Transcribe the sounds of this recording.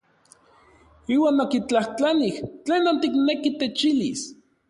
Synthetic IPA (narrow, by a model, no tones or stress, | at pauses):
iːwaːnokit͡ɬaht͡ɬaniht͡ɬeːnont̪iknekit̪et͡ʃilḭs